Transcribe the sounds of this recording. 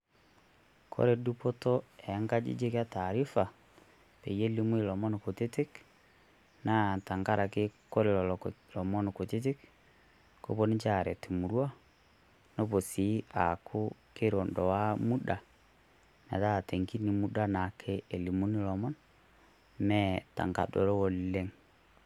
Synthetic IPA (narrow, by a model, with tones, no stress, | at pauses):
kʰɔ̰˦ɾɛ˨du˦pɔ˦tɔ˦ɛ˨˦ŋɡa˦d͡ʒḭ˦d͡ʒe˦kja˦ta˨ɾi˦fa˨ | pḛ˨je˦li˦mu˦i˨lɔ˨mɔ˦niko˨te˦ti˦k | na˦˨ta˨ŋɡa˦ɾʔa˨ke˦ko˦ɾe˨lɔllɔ˨mɔ˦nɔko˨te˦t̬i˦k | ko̰˨bo˦ni˦t͡ʃa˨ɾɛ˨ti˨mu˨ɾwa˦ | no˦bo˨si˨˦a̰˨kʰʊ˦ke˦ɾɔ˨ndɔ˨wa˦mu˦da˨ | na̰˨ta˦˨te˨ŋki˦ni˨mu˦da˦na˨kʰɛ˦˨li˨mu˦ni˦lɔ˨mɔ˦n | mɛ˦ta̰˨ŋɡa̰˨dɔ˨ɾɔ˦wɔ˨le˦ŋ